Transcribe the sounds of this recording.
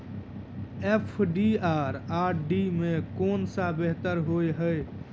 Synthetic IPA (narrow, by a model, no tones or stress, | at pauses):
epʰɖiaːɾaːɾɖimẽkoːnsabeɦt̪əɾɦoːeɦəe